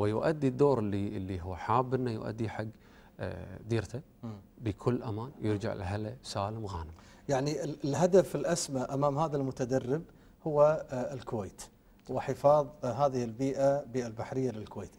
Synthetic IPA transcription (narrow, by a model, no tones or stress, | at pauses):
wɪjʊʔad̪ːid̪ːoːɾˤɪlːiɪlːiɦʊwːħaːbːɪnːajʊ̰ʔa̰d̪ːiħaɡː | d̪iːɾt̪ʰa | bəkʰʊlːʔa̰maːnjɪɾd͡ʒa̰ʕɪ̰lɦalasaːləmɣaːnɪmjaʕniɪlɦad̪afɪlʔasmaʔamaːmhaːðalmʊt̪ad̪arːɪb | hʊwːaɪlkʊweːt̪ | wɪħɪfɑːðˤɦaːðɪhɪlbiːʔabiːʔalbaħɾɪjːalɪlkweːt̪